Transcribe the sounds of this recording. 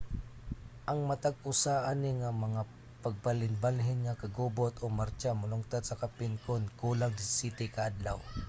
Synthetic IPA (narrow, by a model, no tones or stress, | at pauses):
ʔɐŋmat̪aɡʊsaʔanɪŋamɐŋa | paɡ̚palɪnbalɦɪnŋakɐɡubot̪ʔomaɾt͡ʃamʊlʊŋt̪ad̪̚sakapɪnkonkuːlaŋd̪ɪsɪt̪ɪkaʔad̪la̰w